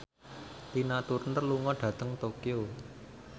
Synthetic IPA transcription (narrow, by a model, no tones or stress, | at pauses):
t̪inat̪uɾnərluŋɔɖ̥ä̤t̪əŋt̪okio